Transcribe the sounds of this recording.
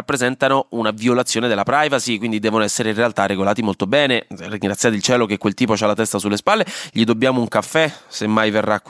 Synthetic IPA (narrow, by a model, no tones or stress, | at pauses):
apːɾezɛnt̪anounaviolat̪sːjoːned̪elːapɾajvasikwind̪id̪ɛːvonoɛsːeɾeinrealt̪arːeɡolaːt̪imolt̪obɛːneriŋɡɾat̪sjaːt̪ilt͡ʃɛːlokekwelt̪iːpot͡ʃalːat̪ɛst̪asulːespalːeʎid̪obːjaːmouŋkafːɛsemːajverːak